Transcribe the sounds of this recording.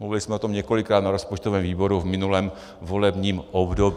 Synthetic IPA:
mluvɪlɪsmɛot̪omɲɛko̞lɪkɾaːt̪naɾo̞spot͡ʃt̪ovɛːmviːbo̞ɾuvmɪnulɛːm | vo̞lɛbɲiːmʔobdob

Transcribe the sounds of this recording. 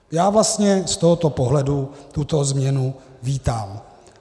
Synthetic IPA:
jaːvlast̪ɲɛst̪oɦot̪o̞poɦlɛdut̪ut̪o̞zmɲɛnu | viːt̪am

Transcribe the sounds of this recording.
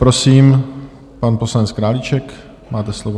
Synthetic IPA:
pɾo̞siːm | panpo̞slanɛt͡skɾaːlit͡ʃɛk | maːt̪ɛslovo

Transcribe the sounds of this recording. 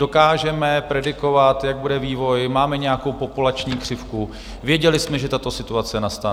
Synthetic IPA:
do̞kaːʒɛmɛpɾɛdɪko̞vat̪jaɡ̚budɛviːvo̞jmaːmɛɲɛjako̞wpo̞pulat͡ʃɲiːkr̝̥ɪfku | vjɛɟɛlɪsmɛʒɛt̪at̪o̞sɪt̪uat͡sɛnast̪a

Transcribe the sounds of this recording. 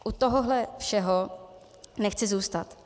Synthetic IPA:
ʔut̪oɦoɦlɛfʃɛɦo | nɛxt͡sɪzuːst̪at̪

